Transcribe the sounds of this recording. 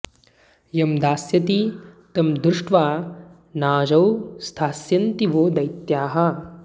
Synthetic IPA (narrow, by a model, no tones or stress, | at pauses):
jɐmd̪aːsjɐt̪it̪ɐmd̪ɾuʂʈʋaː | naːd͡ʒɐwst̪ʰaːsjɐnt̪iʋoːd̪ɐjt̪jaːɦɐ